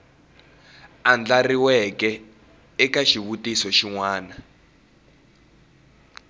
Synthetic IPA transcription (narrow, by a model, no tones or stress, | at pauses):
and͡ɮariwɛkɛ | ɛkaʃiβutisɔʃiŋwaːna